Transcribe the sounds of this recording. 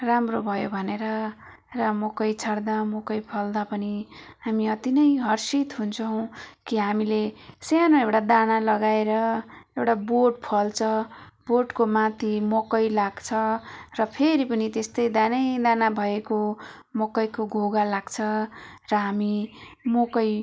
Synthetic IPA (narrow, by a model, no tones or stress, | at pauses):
ramrobʱʌjobʱʌneɾʌ | rʌmokʌjt͡sʰʌɽd̪amokʌjpʰʌld̪apʌniɦamiʌt̪inʌjɦʌrsit̪ɦunt͡sʰʌw̃kiɦamilesjanoewʈad̪analʌɡaeɾʌewʈaboɖpʰʌlt͡sʰʌboɖkomãt̪ʰimokʌjlaɡt͡sʰʌrʌpʰeɾipʌnit̪est̪ʌjd̪anʌjd̪anabʱʌekomokʌjkoɡʱoɡalaɡt͡sʰʌrʌɦamimokʌj